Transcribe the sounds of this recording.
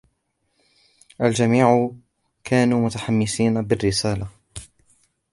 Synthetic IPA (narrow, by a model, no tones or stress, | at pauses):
ʔald͡ʒamiːʕʊ | kʰaːnuːmʊt̪aħamːɪsiːnabɪrːɪsaːla